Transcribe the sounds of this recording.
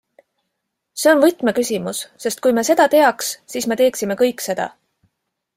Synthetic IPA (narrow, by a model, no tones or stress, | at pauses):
se̞o̞nvɤt̪ˑme̞kysʲimusːe̞st̪̚kujmese̞d̪̥ɑt̪e̞ɑkssiːsme̞t̪e̞ːksime̞kɤjkːˑse̞d̪̥ɑ̰